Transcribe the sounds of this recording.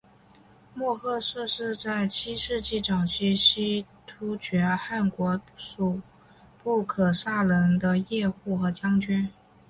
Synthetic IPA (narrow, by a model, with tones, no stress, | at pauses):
mwɔ˥˧xʰɤ˥˧ʂɤ˥˧ʂɻ̩˥˧t͡sa˥˩ɪt͡ɕʰi˥ʂɻ̩˥˧t͡ɕi˥˩ʈ͡ʂɑ˨˩ʊt͡ɕʰi˥ɕi˥t̪ʰu˥t͡ɕɥɛ˧˥xa˥˩nkwɔ˧˥ʂu˨˩ | pu˥˩kʰɤ˨˩ʂa˥˩lə˧˥nd̪ə˧jɛ˥˧xu˥˩xɤ˧˥t͡ɕʰjɑ˥ŋt͡ɕy˥n